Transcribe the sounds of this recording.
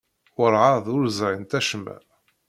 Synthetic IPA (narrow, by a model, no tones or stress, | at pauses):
wʊɾˤʕɑðˤʊɾzʕint̪æʃmæ̰